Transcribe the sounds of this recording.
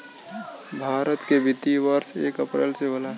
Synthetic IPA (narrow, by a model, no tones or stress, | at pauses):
bʱaːɾət̪kebɪt̪iʋəɾseːkəpɾeːlsebəla